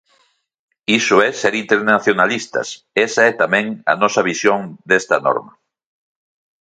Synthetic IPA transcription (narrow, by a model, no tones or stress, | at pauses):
isʊɛseɾint̪eɾnaθjonalist̪ɐ̰s | esaɛt̪amɛ̃ŋɐ̰nɔsɐβisjoŋd̪est̪ɐnɔ̰ɾmɐ